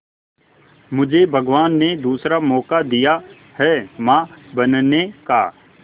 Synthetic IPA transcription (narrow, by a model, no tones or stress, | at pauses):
mʊd͡ʒʱebʱəɡʋaːnːed̪uːsɾamɔːkad̪ija | hɛːmãːbɐnneka̰ː